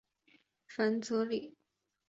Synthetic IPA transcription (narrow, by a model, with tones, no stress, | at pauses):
fə˧˥nt͡su˧˥li˨˩˦